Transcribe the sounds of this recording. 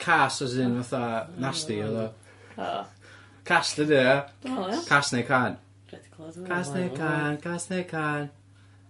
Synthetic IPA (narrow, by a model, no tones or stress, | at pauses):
kʰasɔsɪnvaθanastiɔðɔ | kʰastədi | kʰasnekʰan | kʰasnekʰankʰasnekʰan